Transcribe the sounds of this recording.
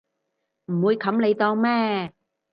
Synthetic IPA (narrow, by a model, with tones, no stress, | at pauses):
m̩˨˩mwuː˨˧jkʰɐ˨˥mle˨˧jt̪ɔː˧ŋmɛː˥